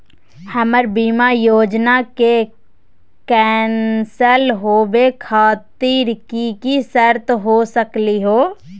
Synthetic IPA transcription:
həməɾbiːmajoːd͡ʒnake | kɛːnsəlɦoːbekʰaːt̪iɾkikisəɾt̪ɦosəkliɦoː

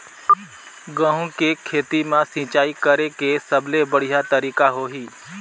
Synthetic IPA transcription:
ɡə̃ɦũkekʰeːt̪imãsĩːt͡ʃaːikəɾekesəblebəɽ̤ijat̪əɾiːkaɦoːɦiː

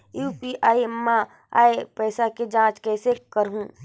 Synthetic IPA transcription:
juːpiʔaːimːã | a̰ːepɛːsaked͡ʒãːt͡ʃkɛːsekɐɾɦũː

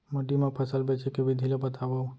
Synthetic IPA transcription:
məɖimepʰəsəlbet͡ʃekebid̪ʱilebət̪ʰabə

